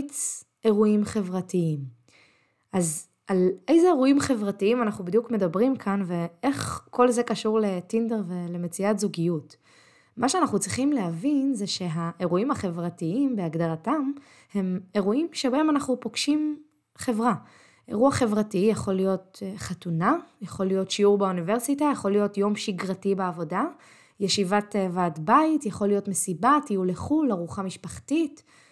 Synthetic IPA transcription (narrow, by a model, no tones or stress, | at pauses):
t͡s | e̞ʁuimχe̞vʁatiim | ʔaz | ʔalejzeeʁuimχe̞vʁatiimanaχnubid̪ijukme̞dabʁimkʰanve̞e̞χko̞lze̞kaʃuʁle̞tindeʁve̞le̞me̞t͡siatzuɡijut | maʃeanaχnut͡sʁiχimleɦavinzeʃe̞ɦaʔe̞ʁuimhaχe̞vʁatiimbeaɡdaʁatam | he̞me̞ʁuimʃebae̞manaχnupo̞ɡ̥ʃim | χe̞vʁa | ʔe̞̰ʁuaχe̞vʁatijaχo̞lijo̞tχatunajaχo̞lijo̞tʃiuʁbaunive̞ʁsitajaχolijo̞tjo̞mʃiɡʁatibeavo̞da | jeʃivatvaːtbaitjaχo̞lijo̞tme̞sibatijuleχulaʁuχamiʃpaχtit